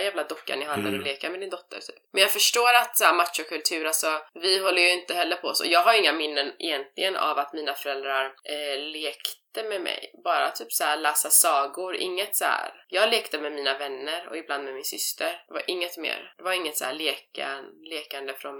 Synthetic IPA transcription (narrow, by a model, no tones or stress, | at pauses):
jæːvlad̪ɔkːa̰nɪɦand̪a̰ɾɔleːkamɛd̪ɪnd̪ɔt̪ʰːə̰ɾt̪ʰyːpmɛnjɑːɡfœʂʈoːɾat̪sæːɾmat̪ʂɔkʰɵlt̪ʰʉ̟ːɾalsɔvɪɦɔlːəjɵɪnt̪əhɛlːəɾpʰɔɔsɔ̰jɑːɡɦaɾjɪŋːamɪnːənɛ̰jɛnt̪ʰlɪɡəna̰vat̪miːnafœɾɛld̪ɾaɾleːkt̪əmɛmɛ̰jbɑːɾa̰t̪ʰyːpsæɾɭæːsasɑːɡʊɾʔɪ̰ŋːət̪sæ̰ːɾjɑːɡleːkt̪əmɛmiːnavɛnːəɾɔ̰ɪbland̪mɛmɪnsʏst̪ʰəɾd̪ɛva̰ɾʔɪŋːət̪mḛːɾd̪̥ɛvaɾɪŋːət̪sæ̰ːɭeːka̰leːkand̪əfɾɔn